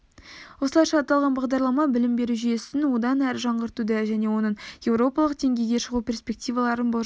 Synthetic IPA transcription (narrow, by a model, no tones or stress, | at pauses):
wo̞səlˠɑjʃɑːt̪ːɑlˠʁɑnbɑʁd̪ɑɾlˠɑmɑbɪlɪmbe̞ɾuʒije̞sɪnwo̞d̪ɑnæɾʒɑɴʁəɾt̪ud̪əʒæne̞wo̞nəɴje̞wɾo̞pɑlˠəq̚d̪̥e̞ŋɡʲe̞jɡʲe̞ʃəʁupʲe̞rspʲe̞k̚t̪ijvɑlˠɑɾənbo